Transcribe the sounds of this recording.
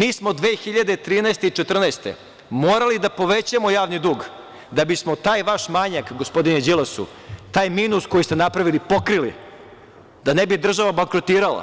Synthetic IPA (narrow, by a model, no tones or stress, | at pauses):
miːsmod̪ʋeːxiʎad̪e̞t̪ɾiːnaest̪eit͡ʃet̪r̩naːst̪ḛ | moːɾalid̪apo̞ʋet͡ɕamojaːʋnid̪uːɡ | d̪abismot̪aːjʋaʃmaɲakɡospo̞d̪ined͡ʑilasṵ | t̪aːjmiːnusko̞jist̪e̞napɾaʋilipo̞kɾilḭ | d̪anebid̪r̩ʒaʋabaŋkɾot̪iːɾala̰